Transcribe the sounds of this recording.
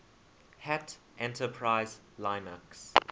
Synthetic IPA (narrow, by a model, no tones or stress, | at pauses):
hæt | ʔɛ̃ntəpʰɹaɪz | lãɪməks